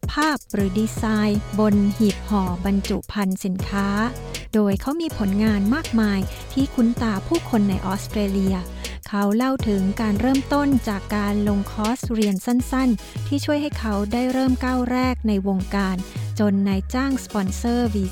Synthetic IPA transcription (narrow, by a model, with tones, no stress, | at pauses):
pʰaː˥˩p̚ɾɯː˩˦diː˧saː˧jbo˧nhi˨˩p̚hɔː˨˩˦ba˧nt͡ɕu˨˩pʰa˧nsi˩˦nkʰaː˦˥ | doː˧jkʰa˦˥wmiː˧pʰo˩˦nŋaː˧nmaː˥˩k̚maː˧j | t̪ʰiː˥˩kʰu˦˥nt̪aː˧pʰuː˥˩kʰo˧nːa˧jʔɔː˦˥st̪ɾeː˧li˧ɐ | kʰa˦˥wla˥˩wt̪ʰɯ˩˦ŋkaː˧nɾɤː˥˩mt̪o˥˩nt͡ɕaː˨˩kːaː˧nlo˧ŋkʰɔː˦˥sɾi˧ənsa˥˩nsa˥˩n | t̪ʰiː˥˩t͡ɕʰu˥˩əjɦa˥˩jkʰa˦˥wdaː˥˩jɾɤː˥˩mkaː˥˩wɾɛː˥˩k̚na˧jwo˧ŋkaː˧nt͡ɕo˧nːa˧jt͡ɕaː˥˩ŋspɔ˧nsɤː˥˩wiː˧